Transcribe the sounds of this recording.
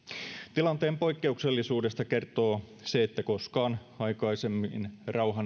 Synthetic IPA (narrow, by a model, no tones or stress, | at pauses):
t̪ilɑnt̪e̞ːmpo̞jkːe̞ukse̞lːisuːde̞st̪ɑke̞rt̪o̞ː | se̞ːt̪ːæko̞skɑːnɑjkɑisemːinrɑuɦɑn